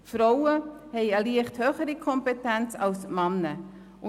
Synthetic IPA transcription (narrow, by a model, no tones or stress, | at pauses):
fɾɔwəhɛɪəliəχthøːχəɾikʰɔmpetænt͡sɑlsmɑnːə | ʔʊ